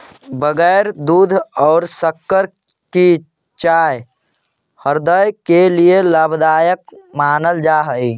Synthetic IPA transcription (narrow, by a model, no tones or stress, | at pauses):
bəɡəɪɾd̪uːd̪ʱɔːɾsəkːəɾ | ki | t͡ʃaj | həɾd̪əjkelielabʱd̪aːjək̚maːnəld͡ʒaɦəi